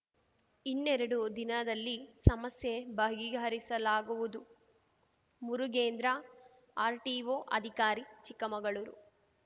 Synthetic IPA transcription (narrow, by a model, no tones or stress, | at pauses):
inːɛɾɐɽud̪inɐd̪ɐlːisɐmɐsjebɐɡiɡɐɾisɐlaːɡuʋud̪u | muɾuɡeːnd̪ɾɐ | aːɾʈiʋoːʔɐd̪ʱikaːɾit͡ʃikːɐmɐɡɐɭuɾṵ